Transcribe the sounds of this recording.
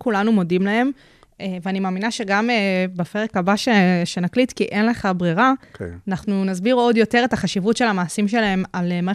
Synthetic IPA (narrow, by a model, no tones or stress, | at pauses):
kulanumo̞dimlae̞m | eveanimaːminaʃe̞ɡamebafeʁekabaʃeʃe̞naklit̪kiʔe̞nle̞χabʁiʁanaχnunazbiʁo̞djo̞te̞ʁe̞taχaʃivutʃe̞lhamaːsimʃe̞lae̞malma